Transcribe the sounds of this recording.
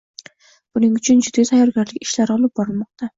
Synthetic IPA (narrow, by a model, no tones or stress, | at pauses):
b̥ʊnɪŋʊt͡ʃʰʊnd͡ʒʊd̪ɡʲat̪ʰajːɒɾɡʲaɾlɪkʲɪ̥ʃlaɾɒlˠɪp̚bɒɾɪlˠmɒq̚t̪ʰa